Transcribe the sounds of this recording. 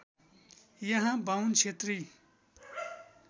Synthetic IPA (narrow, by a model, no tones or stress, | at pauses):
jʌɦãbawnt͡ʃʰet̪ri